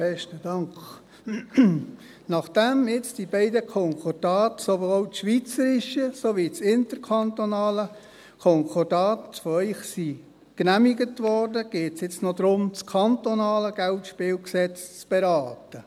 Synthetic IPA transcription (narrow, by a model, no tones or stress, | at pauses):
b̥ɛʃtəd̥ɑŋk | nɑχd̥ɛmɪt͡sd̥ibɛɪdəkʰɔŋkʰɔrd̥ɑːtsovoːlʃʋit͡səɾɪʃəsoʋit͡sɪntəɾkʰɑntonɑːlə | kʰɔŋkʰɔrd̥ɑːtfɔœʏχsi | knæmiɡətʋɔrdəɡ̥eːtsjɪt͡snod̪ɾʊmt͡skʰɑntonɑːləɡ̥æltʃpɪːlksɛt͡st͡sb̥ɛɾɑːtə